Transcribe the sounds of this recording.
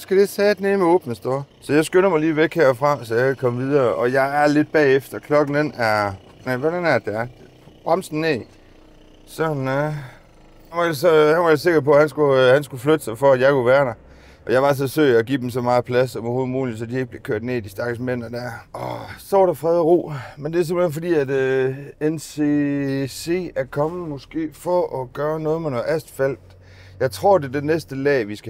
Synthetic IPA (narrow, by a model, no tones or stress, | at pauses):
sɡ̥æd̥esɛːd̥nemeɔ̰ːb̥nəsd̥oɐ̰sɒ̽jɑ̈ɪsɡ̥ønɐmɑ̈ɪliːʋeɡ̥heɐ̰fʁɑ̈sɒjakækʰɒ̽mʋiðˠɐːʔɒ̽jɑ̈ɪæɐle̝d̥̚b̥ɛ̰ːefd̥ɐkʰlɒ̽ɡ̥n̩d̥enæɐ | næʋɔɾ̥ænæɐd̥eæɐ̥ | b̥ʁamsn̩ːe̝̰ | sɒnæ | æʋɑjasɒænʋɑ̈jɑ̈se̝ɡ̥ɐpʰɒ̽hænsɡ̥uhænsɡ̥uflød̥sɑ̈ɪfɒæjɑ̈ɪkuʋæːɐɾ̥ɑɪ | ʔɒ̽jɑʋɑ̈s̬ɒsø̰ːɪæɡḭːd̥emsɒ̽mɑ̈ːð̩ˠpʰlæsɒmɒho̝ð̩ˠmuːlid̥sɒd̥ieɡ̥̚b̥le̝kʰøɐd̥neid̥isd̥ɑ̈ɡ̥əsmen̰ɐd̥æɐ̰ʔɒsɒɾ̥ɑfʁɛðˠəʁṵːmend̥e̝æɐs̬emb̥lhenfɒ̽d̥ḭːæd̥ | ensese̝̰æɐkʰɒ̽məmɔ̽sɡ̥e̝̰ːfɒ̽ʔɒɡ̥ɶːɐnɔ̽ːð̩ˠmenɒʔæsd̥fæl̰d̥ | jɑ̈ɪt͡sʰʁo̝ɐ̰d̥e̝ɐd̥enesd̥əlɛ̰ːʋisɡ̥æ